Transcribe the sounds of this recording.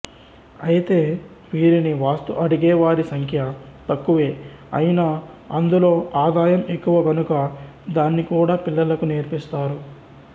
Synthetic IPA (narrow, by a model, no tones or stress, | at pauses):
ɐjit̪e̞ː | ʋiːɾiniʋaːst̪uʔɐɽuɡɛːʋaːɾisɐŋkʰjɐt̪ɐkːuʋe̞ː | ɐ̰jinaɐnd̪ulo̞ːaːd̪aːjɐme̞kːuʋɐɡɐnukɐ | d̪aːnːikuːɽaːpilːɐlɐkuneːɾpist̪aːɾu